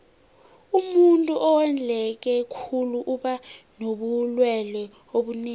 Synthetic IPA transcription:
umuntʼuʔɔwɛnd͡ɮʱɛk̬ɛkʰuluʔuɓanoɓulwɛlɛ | oɓuneː

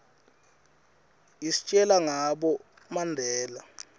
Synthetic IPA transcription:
isi̥t͡ʃʼɛlaŋaɓɔ | mandʱɛːla

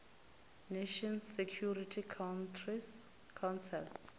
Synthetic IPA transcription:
neʃɔ̃nsːɛkʰjuritʰikʰawntri | kʰawnsɛl

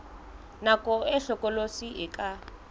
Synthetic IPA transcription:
nakʼɔɛɬɔkɔlosiɛka

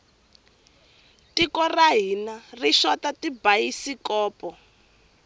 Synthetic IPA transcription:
tikɔraɦinariʃɔtatibajisikɔːpɔ

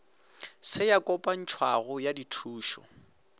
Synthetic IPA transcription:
sɪjakʼɔpʼan̩t͡ʃʰwaɣʊjaditʰuːʃɔ̰

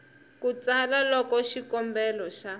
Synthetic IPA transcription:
kut͡salalɔkɔʃikɔmbɛlɔʃa

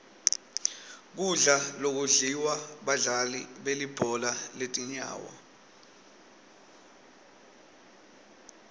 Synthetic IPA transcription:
k̬uɮalok̬uɮiwaɓaɮalḭɓelib̥ʱɔlaletʼiɲa̰ːwa̰

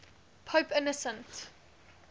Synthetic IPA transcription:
pʰəʊpɪnəsə̃nt

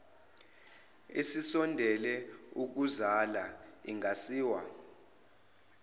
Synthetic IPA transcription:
esisɔndʱɛlɛuk̬uzala | iŋʱasiːwa̰

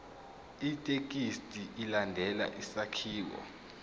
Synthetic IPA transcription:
itʼekʼistʼiʔilandʱɛla̰ʔisakʰiːwɔ̰

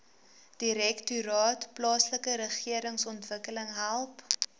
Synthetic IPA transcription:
d̥iɾɛktyɾɑːtplɑːsləkəɾəχiəɾəŋsɔntvəkələŋɦælˠp

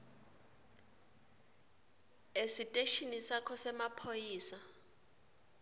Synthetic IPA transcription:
esitʼeʃinisakʰɔsɛmapʰojiːsa

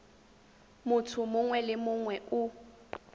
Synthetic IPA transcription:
mʊtʰʊmʊŋwɛlɪmʊŋwɛʊ

